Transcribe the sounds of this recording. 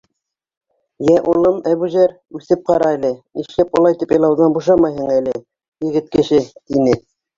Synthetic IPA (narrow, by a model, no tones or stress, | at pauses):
jæʔulˠɤmæβʉʒæɾ | ʉθɘp̚qɑɾɑælɘniʃlæp̚qŏlˠɑjt̪ipĕjlˠɑwðɑnbuʃɑmɑjɦɤɴælɘ | jɘ̆ɡɘ̆t̪̚kɘ̆ʃɘt̪inɘ